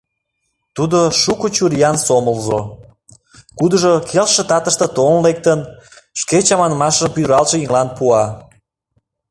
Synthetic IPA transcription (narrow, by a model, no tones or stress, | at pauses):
t̪ud̪oʃukot͡ɕuɾjɑnsoməlʒo̰ | kud̪əʒokʰelʃə̆t̪ɑt̪əʃt̪ə̆t̪onlek̚t̪ənʃket͡ɕɑmɑnəmɑʃəmpyd̪ɾɑlʃəjiŋlɑnpuɑ